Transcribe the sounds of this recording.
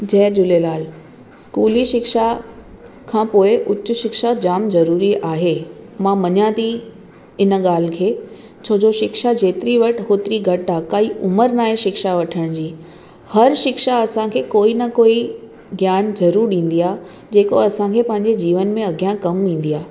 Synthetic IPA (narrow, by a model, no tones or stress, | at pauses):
d͡ʑɛːɾd͡ʑʊlelaːl | skuːliʃɪkʃa | kʰãːpoːɪʔʊt͡ɕːʊ̆ʃɪkʃad͡ʑaːmzɐɾuːɾiaːɦeːmãmɐɲãːd̪i | ɪn̆ɠaːl̤kʰeː | t͡ɕʰoːd͡ʑoʃɪkʃad͡ʑeːt̪ɪɾiʋɐʈɦoːt̪ɪɾiɡʱɐʈaːkaiʔʊməɾnaːɦẽʃɪkʃaʋɐʈʰəɽ̃d͡ʑiː | hɐɾʃɪkʃaɐsãkʰeːkoːinɐkoːi | ɡjaːnzɐɾuːɾɗĩːn̆d̪ijaː | d͡ʑeːko̰ɐsãkʰeːpɐ̃ɦɪ̃ɲ̆d͡ʑed͡ʑiːʋənmẽɐɡjãkɐmʋĩːn̆d̪ijaː